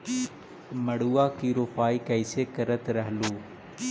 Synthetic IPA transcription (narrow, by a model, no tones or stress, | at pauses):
məɽuːaːkiːɾoːfaːiːkəɪseːkəɾət̪ɾəɦluː